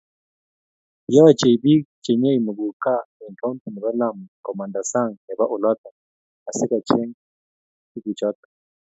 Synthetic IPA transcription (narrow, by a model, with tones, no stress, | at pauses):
ja˦a˦˨t͡ʃe˨i˨bi˦t͡ʃɛ˨ɲɛ˦i˨mu˨ɡu˨ka˦ɛ˨ŋka˦u˦nta˨ni˨βa˦la˦˨m˨kɔ˨ma˨nda˨sa˦˨ŋɛ˨ba˦ʔu˨la˦t̪a˨ | a˨si˦ka˨t͡ʃɛ˦ŋ | i˦ku˨t͡ʃa˦t̪ḁ˨